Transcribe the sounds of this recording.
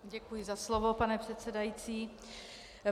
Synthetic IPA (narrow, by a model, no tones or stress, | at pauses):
ɟɛkujɪzaslovo̞panɛpr̝̥ɛt̪t͡sɛdajit͡siː